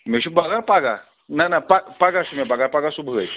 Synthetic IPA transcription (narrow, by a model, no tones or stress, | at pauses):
meɕubaɡapaɡa | nanapapaɡaɕumabaɡaɾpaɡasubʱəɡə̰j